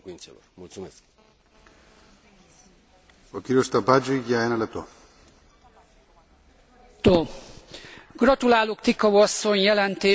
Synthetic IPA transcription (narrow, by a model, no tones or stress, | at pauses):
okiɾost̪abad͡ʒuiɡjaenalat̪o | t̪o | ɡ̥rɒt̪ulaːlokt̪ikɒɒsːo̞ɲjɛlɛnt̪eː